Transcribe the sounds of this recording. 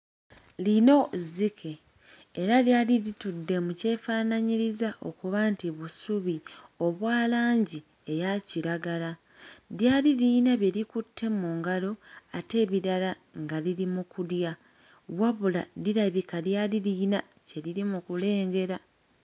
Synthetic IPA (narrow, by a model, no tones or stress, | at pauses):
lino̞zikʰe̞ː | ɾaljaːliɾitudːe̞muce̞ːfaːnaɲiɾizaʔo̞̰kuβantiβusuβio̞βwaːlaːɲɟi | e̞jaciɾaɡala | ðjaːliɾiːnaβje̞ɾikutʰːe̞muːŋɡalo̞ate̞ːβiɾala | ŋɡaliɾimukuɾja | βwaβuladiɾaβikaðjaːliliːna | ce̞ɾiɾimukule̞ːŋɡe̞ɾa